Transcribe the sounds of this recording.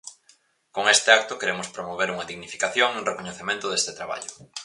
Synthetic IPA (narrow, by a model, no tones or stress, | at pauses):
koŋest̪ɪak̚t̪ʊkeɾemʊspɾomoβ̞eɾuŋɐðiɣnifi̥kaθjoŋuŋrekoɲeθemẽnt̪ʊðest̪ɪt̪ɾaβa̰ʎʊ